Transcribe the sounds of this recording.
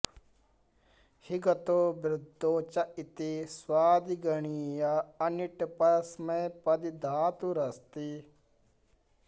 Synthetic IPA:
hiɡɐt̪oːbɾɪd̪ʱːot͡ʃɐʔit̪iswaːd̪iɡɐɳijaɐniʈpɐsmepɐd̪id̪ʱaːt̪uɾɐst̪i

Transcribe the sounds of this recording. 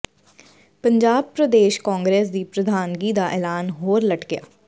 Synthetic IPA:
pəɲd͡ʒaːb̚pɾəd̪eːʃkaːŋɡɾɛːsd̪iːpɾəd̪ʱaːnɡiːd̪aːʔɛːlaːnɦoːɾləʈɡɪja̰ː

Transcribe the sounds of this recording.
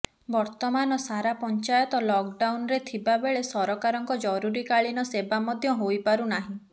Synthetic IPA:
bɔɾt̪ɔmanɔsaɾapɔnt͡ʃajɔt̪ɔlɔk̚ɖawnɾet̪ʰibabeɭesɔɾɔkaɾɔŋkɔd͡ʒɔɾuɾikaɭinɔsebamɔd̪ʱjɔɦojpaɾunaɦĩ

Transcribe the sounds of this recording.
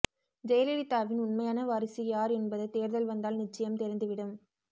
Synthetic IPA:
d͡ʒɛjɐlɛɽɪt̪ːaːʋɪnʊnmɐɪjaːnɐʋɐɾɪsijaːɾɛnbɐðɐt̪ːeːɾðɐlʋɐnd̪aːlnɪt͡ʃːɐjɐmt̪ɛɾɪnd̪ɯʋɪɽɯm

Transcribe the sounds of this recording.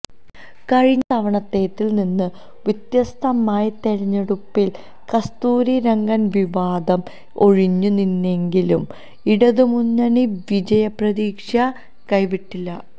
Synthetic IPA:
kɐɻiɲːɐt̪ɐʋɐɳɐt̪ːe̞ːt̪ːilninːɨ | ʋit̪jɐst̪ʰɐmaːjɐt̪eɻɐɲːeɽupːil | kɐst̪uːɾiɾɐŋɡɐnʋiʋaːd̪ɐm | o̞ɻiɲːuninːe̞ŋɡilum | iɽɐðumuɲːɐɳiʋid͡ʑɐjɐprɐðiːkʂjɐ | kɐjʋiʈːilːɐ

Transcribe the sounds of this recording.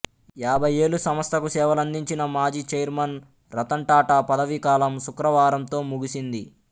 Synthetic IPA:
jaːbʱɐjeːɭusɐmʋɐst̪ʰɐkusɛːʋɐlɐnd̪iɲt͡ʃinɐmaːd͡ʒiːt͡ʃɐjɾmɐn | ɾɐt̪ɐɳʈaːʈapɐd̪ɐʋikaːlɐmsukɾɐʋaːɾɐmt̪o̞ːmuɡisind̪i

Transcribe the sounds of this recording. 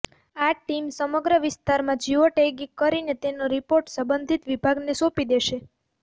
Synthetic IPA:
aʈimsəməɡɾəʋɪst̪aɾmãd͡ʒiʋoʈeɡikːəɾinet̪enoɾipoɾʈsə̃mbənd̪ʱit̪ʋibʱaɡnesopid̪eʃe

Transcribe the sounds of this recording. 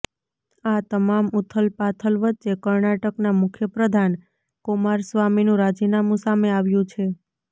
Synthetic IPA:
at̪əmamʊt̪ʰəlpat̪ʰəlʋətːt͡ʃʃekəɾnaʈəknamʊkʰjəpɾəd̪ʱan | komaɾsʋaminũɾad͡ʒinamũsameaʋjũt͡ʃʰe

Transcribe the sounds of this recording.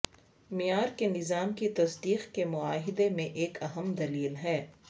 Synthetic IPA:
mɪjaːɾkenɪzaːmkit̪ɐsd̪iːxkemʊaːɦɪd̪emẽʔeːkʰɐɦəmd̪ɐliːlɦɛː

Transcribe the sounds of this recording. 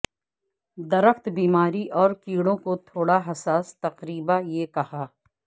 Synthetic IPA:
d̪ɐɾəxt̪biːmaːɾiʔɔːɾkiːɽõkot̪ʰoːɽaɦɐsaːst̪ɐqɾiːbajeːkɐhaː

